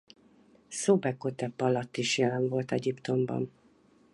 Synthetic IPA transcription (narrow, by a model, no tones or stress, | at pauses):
sobɛkːot̪ɛpːɒlɒt̪ːiʃjɛlɛɱvo̞lt̪ɛɟipt̪o̞mbɒ̰n